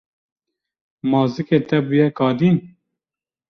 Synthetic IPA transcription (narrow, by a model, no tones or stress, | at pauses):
mɑːzɨket̪ɛbujɛkʰɑːd̪iːn